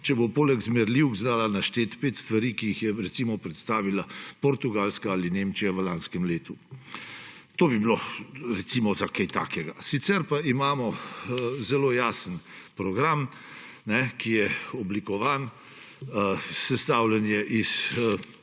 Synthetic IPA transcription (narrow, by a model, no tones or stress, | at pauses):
t͡ʃɛbopoːlɛɡzmɛɾliwɡzd̪aːlanaʃt̪eːt̪peːt̪st̪ʋaɾiːkiixjɛɾɛt̪simɔpɾɛt̪st̪aːʋilapoɾt̪uɡalskaalinemt͡ʃijaʋəlaːnskɛmleːt̪u | t̪oːbibiloɾɛt̪simɔzakajt̪a̰ːkɛɡasit̪sɛɾpaimaːmɔ | zɛloːjaːsənpɾɔɡɾam | nɛkijɛɔblikɔʋaːn | sɛst̪awlɛnjɛʔis